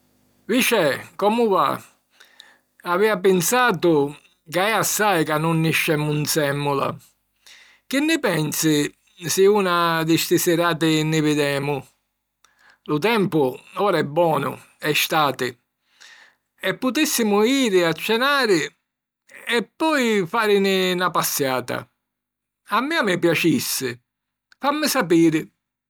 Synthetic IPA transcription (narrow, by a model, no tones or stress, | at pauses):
vit͡ʃɛkɔmʊva̰ | aviːap̬ɪnsaːt̪ʊ | kaɛasːajkanːʊnːɪʃːɛmːunt̪sɛmːʊla̰ | k̟ɪnːɪpɛnsɪ | sɪuːnad̪ɪst̪ɪsɛɾaːt̪̬ɪnːɪvɪd̪ɛːmʊ | lʊt̪ɛmpʊɔːɾaɛbːɔːnʊ̰ | ɛst̪aːt̪ɪ | ɛpːʊt̪isːɪmʊiːɾɪat͡ʃːɛnaːɾɪ | ɛpːɔjfaːɾɪnɪnapasːjaːt̪a̰ | amːɪamɪpjat͡ʃisːɪ | famːɪsapiːɾɪ